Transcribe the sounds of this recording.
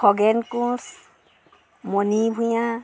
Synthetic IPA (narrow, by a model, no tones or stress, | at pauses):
kʰɔɡɛnkũs | mɔnibʱujã